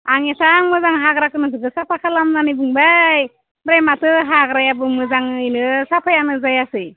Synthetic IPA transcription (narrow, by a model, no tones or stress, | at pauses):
aŋesaŋmɯzaŋɦaɡɾakɯnɯdɯɡɯsapʰakʰalamnanibɯŋbaj | bɾajmatɯɦaɡɾajabɯmɯzaŋinɯsapʰajanɯzajasɯj